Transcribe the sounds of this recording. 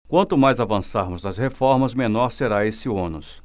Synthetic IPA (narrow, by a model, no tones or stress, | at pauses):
kwɐ̃nt̪ʊmajzavɐ̃saɾmʊznɐzhefɔɾmɐzmẽnɔɾseɾaesɪõnʊs